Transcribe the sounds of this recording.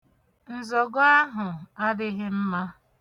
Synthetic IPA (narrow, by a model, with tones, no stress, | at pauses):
n̩˨zɔ˨ɡʊ˦a˦ɦʊ˨a˦dɪ˦ɦɪ˦m̩˦ma˦